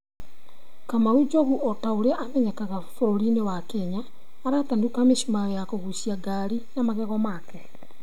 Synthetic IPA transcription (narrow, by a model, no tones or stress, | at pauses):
kamaɾud͡ʒoɣuʔɔtaoɾeʔamɛɲɛkaɣafoɾoɾinewakeɲaː | ɾatandukameʃumajɔjakoɣusiaɡaɾinamaɣɛɣɔmaːkɛ